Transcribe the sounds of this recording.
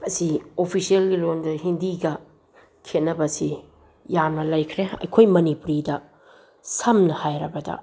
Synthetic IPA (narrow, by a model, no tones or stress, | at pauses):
ɐsiopʰisielɡilondɐhindiɡɐ | kʰet̚nːɐbɐsi | jamnɐlɐjkʰɾeɐ̰jkʰojmɐnipuɾidɐ | sɐmnɐhajɾɐbɐdɐ̰